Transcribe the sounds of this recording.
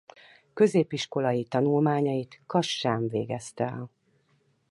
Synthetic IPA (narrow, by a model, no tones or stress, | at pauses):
kø̞zeːpiʃko̞lɒjit̪ɒnulmaːɲɒjit̪kɒʃːaːɱvḛːɡɛst̪ɛɛ̰l